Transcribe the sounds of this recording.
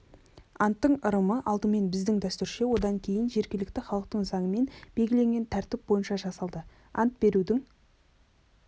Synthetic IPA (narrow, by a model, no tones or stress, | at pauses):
ɑnt̪ːəɴəɾəməʔɑlˠd̪əme̞nbɪzd̪ɪŋd̪æst̪ʏɾʃe̞wo̞d̪ɑŋkʲʰe̞jɪnʒe̞ɾɡʲelɪk̚t̪ɪχɑlˠəq̚t̪əɴzɑɴəme̞nb̥e̞lɡʲɪle̞ŋɡʲe̞nt̪ʰæɾt̪ɪp̚bo̞jənʃɑʒɑsɑlˠd̪ə | ɑ̰nt̪̚be̞ɾud̪ɪŋ